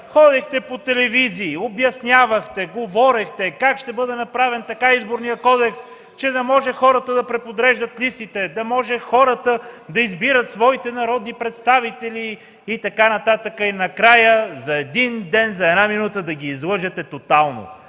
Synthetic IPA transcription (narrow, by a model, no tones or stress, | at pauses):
xɔd̪ɛxt̪ɛpot̪ɛlɛviziːobjɐsnʲjavəxt̪ɛɡovɔɾɛxt̪ɛkakʃt̪ɛbɤd̪ɛnɐpɾavɛnt̪ɐkaizboɾnijəkɔd̪ɛks | t͡ʃɛd̪ɐmɔʒɛxɔɾət̪əd̪ɐpɾɛpod̪ɾɛʒd̪ɐt̪list̪it̪ɛd̪ɐmɔʒɛxɔɾət̪əd̪ɐizbiɾət̪svɔit̪ɛnɐɾɔd̪nipɾɛt̪st̪avit̪ɛliː | t̪ɐkanɐt̪at̪əkəinɐkɾajəzɐɛd̪ind̪ɛnzɐɛd̪naminut̪əd̪ɐɡʲiːzlˠɤʒɛt̪ɛt̪ot̪alˠno̰